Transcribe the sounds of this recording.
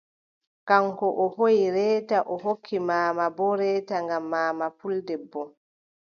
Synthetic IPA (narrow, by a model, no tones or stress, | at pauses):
kaŋkɔʔɔhojiɾɛːtaʔɔɦokʰːimaːmabɔɾɛːtaŋɡamːaːmapuldɛbːɔ